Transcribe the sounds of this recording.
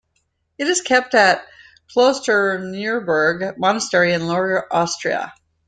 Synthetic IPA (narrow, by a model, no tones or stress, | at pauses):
ɨɾɨz̥kʰɛp̚tɨt̚ | kʰl̥oʊstʰənɪɹbə˞ɡmɑnəstɛɹiɨ̃nlɔɹəʔɑstɹ̥iə̰